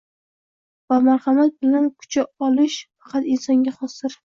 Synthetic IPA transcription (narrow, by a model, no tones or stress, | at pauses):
vamaɾχɑmat̪̚bɪlankʰʊ̥t͡ʃʰaɒlɪʃfɑ̥qʰɑt̪ɪnsɒŋɡʲaχɒsɪɾ